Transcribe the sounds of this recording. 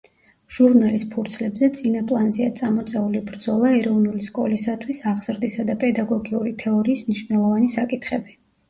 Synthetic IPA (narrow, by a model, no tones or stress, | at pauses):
ʒ̥uɾnalispʰuɾt̪sʰlɛbzɛt̪sʼinapʼlˠanziat̪sʼamɔt̪sʼɛulibɾd̪zɔlˠaɛɾɔvnuliskʼɔlisat̪ʰwisaʁz̥ɾd̪isad̪apʼɛd̪aɡɔɡiuɾit̪ʰɛɔɾiːsmniʃvnɛlˠɔvanisakʼit̪ʰχɛbi